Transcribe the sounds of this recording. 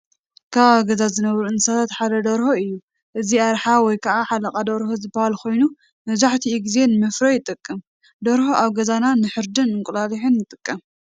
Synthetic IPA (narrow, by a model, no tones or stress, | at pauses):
kʰaβaɡɐzazɨnɐβɾuɨnsat̪ʰat̪ħad̪ɐd̪ɐɾhoɨjːu | ʔɨziaɾħawɔjkʰɐʔaħalɐkʼad̪ɐɾhozɨbɐhalkʰo̞jnu | mɐzaħt̪ʰiːɡize̞nɨmɨfɾɐjɪt̪ʼɨkʼːɨm | d̪oɾhoʔaβɡɐzananɨħɨɾd̪ɨnɨŋkʼulaliħɨnjɨt̪ʼɨkʼːɐm